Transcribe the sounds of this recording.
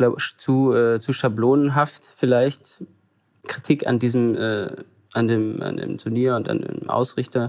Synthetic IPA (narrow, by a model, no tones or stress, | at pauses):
lat͡suːʔɛːt͡suːʃabloːnənɦaftfɪlaɪçt | kʁ̥itʰiːka̰ndiːzəmʔɛ̰ː | ʔandeːma̰ndḛːmtʰʊɐniːɐʊnta̰ndḛːmʔa̰ʊsʁɪçtɐ